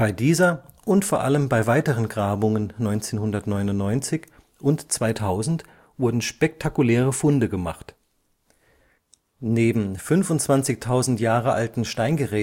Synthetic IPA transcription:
b̥aɪdiːzɐʔʊntfoːɐʔaləmbaɪvaɪtəʁənɡʁaːbʊŋənːɔʏnt͡seːnhʊndɐtnɔʏnʊnnːɔʏnt͡sɪç | ʔʊntt͡sv̥aɪtʰaʊzn̩t | vʊɐdn̩ʃpɛk̚tʰakulɛːʁ̞əfʊndəɡəma̰χt | neːbm̩fʏnfʊntt͡sv̥ant͡sɪçtʰaʊzn̩tjaːʁəʔa̰ltn̩ʃtaɪnɡəʁɛː

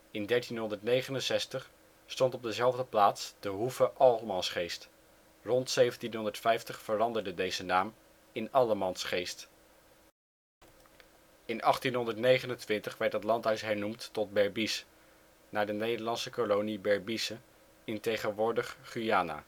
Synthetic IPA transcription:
ɪndɛɹtinɦɔndəɹtnejχənənsɛstəχ | stɔntɔb̚dəzɛlˠvdəplaːtsd̥əɦufəʔɑlˠmɑnsχejst | rɔntsejvəntinɦɔndəɹtfɛjftəχfərɑndəɹdədejzənaːm | ɪnɑləmɑnsχejst | ɪnɑχtinɦɔndəɹtnejχənəntʋɪntəχʋɛɹtdətlɑntɦœɥsɦɛɹnumtːɔd̚bɛɹbis | naːɹdənejdəɹlɑnsəkolonibɛɹbisə | ɪntejχənʋʊːɹdəχχyaːna̰ː

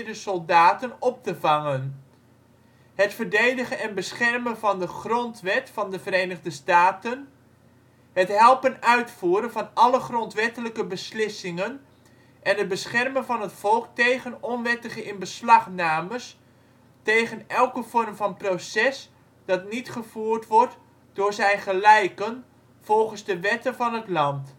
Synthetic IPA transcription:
dəsɔlˠdaːtənɔp̚təvɑŋən | hətfərdejdəχənɛnbəsχɛrmənvɑndəχrɔntʋɛtfɑndəvərejnəɣdəstaːtən | hətɦɛlˠpənœɥtfuːɾənvɑnɑləχrɔntʋɛtələkəbəslɪsɪŋən | ʔɛnɦət̚bəsχɛrmənvɑnɦətfɔlˠk̚tejχənɔnʋɛtəχəʔɪnbəslɑχnaːməs | tejχənɛlˠkəv̥ɔrmvɑnprosɛs | d̥ɑtnitχəvuːrtʋɔrt | d̥ʊːɹzɛjχəlɛjkən | v̥ɔlˠχənzdəʋɛtənvɑnɦətlɑnt

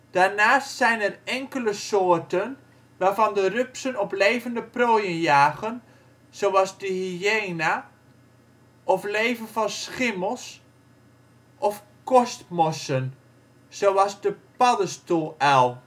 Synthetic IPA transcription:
d̥aːɹnaːstsɛjnɛrɛŋkələsoːɹtən | ʋaːvɑndərʏpsənɔplejvəndəproːjənjaːɣən | sowɑzdəhijeːna | ʔɔfleːvənfɑnsχɪməlˠs | ʔɔf | kɔstmɔsən | sowɑzdəpɑdəstulˠɛlˠ

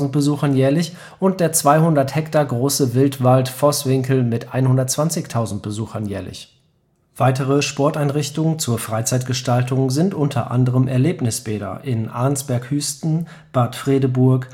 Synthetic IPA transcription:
zn̩t̚b̥əzuːxɐnjɛːɐlɪç | ʔʊnt̚d̥eːɐt͡sv̥aɪhʊndɐthɛktaːɡʁoːsəvɪltv̥altfɔsv̥ɪŋkl̩mɪtʔa̰ɪnhʊndɐtt͡sv̥ant͡sɪçtʰaʊzn̩t̚b̥əzuːxɐnjɛːɐlɪ̰ç | v̥aɪtəʁ̞əʃpɔɐtaɪnʁɪçtʊŋənt͡suːɐfʁ̥aɪt͡saɪtɡ̥əʃtaltʰʊŋzɪntʔʊntʰɐ̰ʔa̰ndəʁəmʔɛ̰ɐleːpnɪsb̥eːɾɐ̰ʔɪnʔa̰ɐnsb̥ɛɐkhyːstn̩ | b̥aɐtfʁ̥eːdəbʊɐk

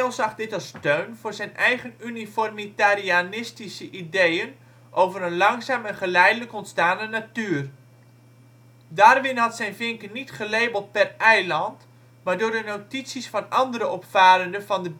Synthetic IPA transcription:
lˠsɑχdɪtɑlˠstøɥnvʊːrzɛjnɛjχənynifɔrmitarianɪstisəʔidejən | ʔowvərənlɑŋsaːmɛnχəlɛjdələkɔntstaːnənatyːr | daːrʋɪnɦɑtsɛjnvɪŋkənitχəlejbəlˠt̚pɛrɛjlɑnt | maːɹdʊːɹdənotitsisfɑnɑndəɾəɔpfaːɾəndəvɑndə

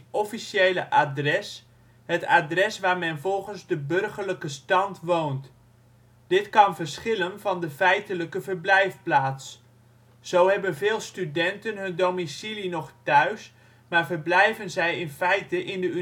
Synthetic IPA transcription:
ɔfisjejləʔadrɛs | hətadrɛsʋaːɹmɛnvɔlˠχənzdəbɵrχərləkəstɑntʋownt | d̥ɪtkɑnvərsχɪlənvɑndəfɛjtələkəvərblɛjfplaːtsː | owɦɛbənvɪːlˠstydɛntənɦɵndowmisilinɔχtœɥs | maːɹvəɹblɛjvənzɛjɪnfɛjtəʔɪndəy

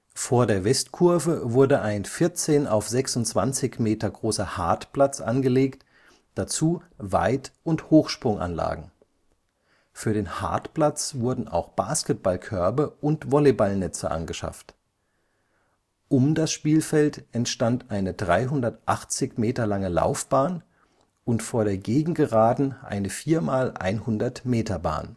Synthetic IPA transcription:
foːɐdeːɐvɛstkʰʊɐvəvʊɐdəʔaɪnfɪɐt͡seːna̰ʊfz̥ɛksʊntt͡sv̥ant͡sɪçmeːtɐɡʁoːsɐhaɐtplat͡sʔa̰nɡəleːkt | d̥at͡suːva̰ɪtʊnthoːxʃpʁ̥ʊŋʔa̰nla̰ːɡŋ̩ | fyːɐɾeːnha̰ɐtplat͡sv̥ʊɐdn̩ʔa̰ʊxb̥aːskət̚b̥alkʰœɐbəʔʊntv̥ɔlebalnɛt͡sə̰ʔa̰nɡəʃa̰ft | ʔʊmdasʃpiːlfɛltʔɛntʃtantʔaɪnədʁaɪɦʊndɐtʔaχt͡sɪçmeːtɐlaŋəla̰ʊfb̥aːn | ʔʊntfoːɐɾeːɐɡeːɡŋ̩ɡəʁaːdn̩ʔa̰ɪnəfiːɐmaːlʔa̰ɪnhʊndɐtmeːtʰɐba̰ːn

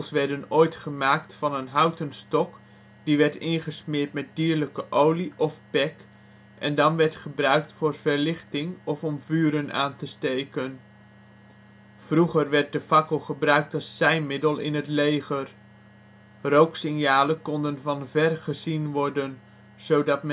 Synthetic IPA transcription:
əlˠsʋɛɹdənoːjtχəmaːktfɑnənɦawtənstɔk | diʋɛɹtɪnχəsmɪːɹtmɛt̚diːɹləkəʔowliʔɔfpɛk | ʔɛndɑnʋɛɹtχəbrœɥk̚tfʊːrvəɹlɪχtɪŋɔfɔmvyːɾəna̰ːntəstejkən | v̥ruχərʋɛɹt̚dəfɑkəlˠχəbrœɥk̚tɑsːɛjnmɪdəlˠɪ̰nətlejχər | rowksɪnjaːləkɔndənvɑnvɛrχəzinʋɔɹdən | z̥owdɑt̚m

